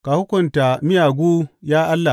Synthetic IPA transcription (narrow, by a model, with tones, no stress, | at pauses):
ka˨hʊ˦kʷʊ˨nta˨mɪ˦jaː˨ɡʷu˦jaː˦ʔa˦lːa˨